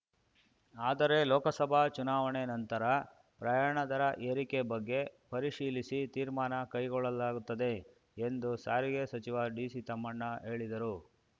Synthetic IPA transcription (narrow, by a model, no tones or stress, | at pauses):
aːd̪ɐɾe̞lɔːkɐsɐbʱat͡ʃunaːʋɐɳenɐnt̪ɐɾɐ | pɾɐjaːɳɐd̪ɐɾɐʔeɾikebɐɡːe̞pɐɾiʂiːlisit̪iːɾmaːnɐkɐjɡɔɭːɐlaːɡut̪ːɐd̪e̞ | end̪usaːɾiɡesɐt͡ʃiʋaɖiːsit̪ɐmːɐɳːɐɦe̞ːɭid̪ɐɾu